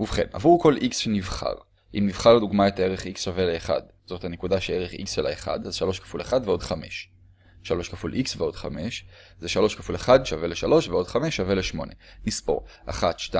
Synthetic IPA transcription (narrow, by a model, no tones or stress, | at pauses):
uvχe̞̰na̰vuʁko̞lʔiksʃenivχa̰ʁ | ʔimnivχaʁleduɡmaetae̞ʁeχiksʃaveleːχa̰d | z̥othanekudaʃeeʁeχḭksʃela̰eχa̰dazʃalo̞ʃkḁfuleχadveo̞dχame̞̰ʃ | ʃalo̞ʃkafulʔiksveo̞dχa̰me̞ʃzeʃalo̞ʃkafuleχadʃave̞leʃalo̞ʃveo̞dχameʃːave̞leʃmo̞̰ne̞nispo̞̰ʁa̰χat̪ʃta